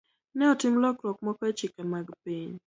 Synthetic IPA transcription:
nɛɔtɪmlɔkɾɔk̚mɔkɔet͡ʃɪkɛmaɡpiɲ

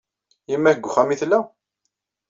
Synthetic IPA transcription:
jimːæçɡʷχæmiθlːæ

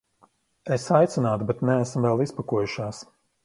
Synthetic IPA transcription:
esajt̪sɛnaːt̪bɛt̪nɛːsmvɛlˠispakuɔjuʃaːs

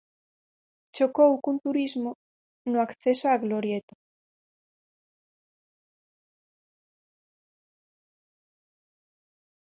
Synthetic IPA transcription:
t͡ʃokowkunt̪uɾizmo | nʊakθesoaɣloɾjet̪o̥

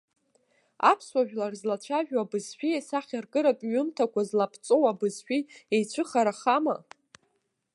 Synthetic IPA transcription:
apʰswaʒᶣlarzlat͡ɕʷʰaʒᶣabɨzħʷᶣiesaχʲarɡʼɨɾakʼɥʊmtʰakʷʰazlapʰt͡sʷʼowabɨzħʷᶣiejt͡ɕʷʰɨχaɾaχama̰

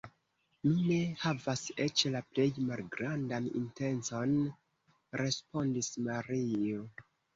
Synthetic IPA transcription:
nune̞havase̞t͡ʃlaple̞jmalɡɾandanḭnte̞nt͡so̞n | ɾe̞spo̞ndismaɾio

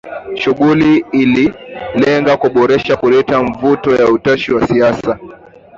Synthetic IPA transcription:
ʃuɠuliːlilɛŋɡakuɓɔɾɛʃakulɛtaɱvutɔjautaʃiwasiasa

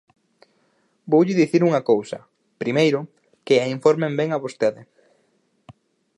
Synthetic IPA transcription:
bowʎɪðiθiɾuŋɐkowsɐ | pɾimejɾʊ | kɪaiɱfoɾmembɛŋaβost̪eðɪ

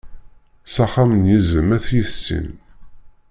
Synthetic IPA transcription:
sæχamənjizəmæθjiθsḭn

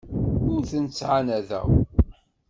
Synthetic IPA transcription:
ʊɾθənt͡sːʕanæðæ̰w

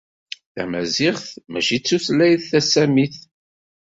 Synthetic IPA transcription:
θæ̰mæzɪχθmæ̰ʃit͡sːuθlæjðθæsæmiθ

